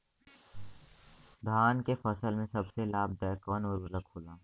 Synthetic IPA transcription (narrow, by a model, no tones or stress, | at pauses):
d̪ʱaːnkefɐsəlmẽsɐbselaːb̚d̪ɛːkɔːnɔɾʊləkʰoːlaː